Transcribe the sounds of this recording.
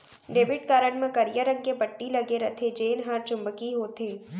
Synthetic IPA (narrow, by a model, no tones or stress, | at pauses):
ɖeːbɪʈkaːɾəɽmẽkɐɾijəɾə̃ŋkebɐʈːilɐɡeɾɐt̪ʰed͡ʒeːnɦaɾt͡ʃʊ̃mbəkiɦoːt̪eː